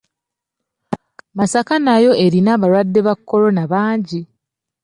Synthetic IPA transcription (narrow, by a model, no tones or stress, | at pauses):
masakanajo̞e̞ɾinaβaɾwadːe̞βakːo̞ɾo̞naβaːɲɟi